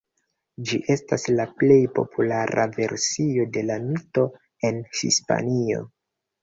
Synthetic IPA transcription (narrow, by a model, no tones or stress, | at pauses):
d͡ʒiʔe̞staslaple̞jpo̞̰pʰulaɾa̰ve̞ɾsio̞de̞lamito̞ | e̞nhḭspa̰nio̞̰